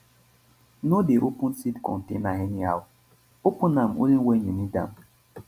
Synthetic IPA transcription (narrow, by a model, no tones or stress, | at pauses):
nodeʔopun̩sidkɔ̰n̩tenaɦeniawʊ | opunam̩ʔo̰liwʷeɲenida̰m̩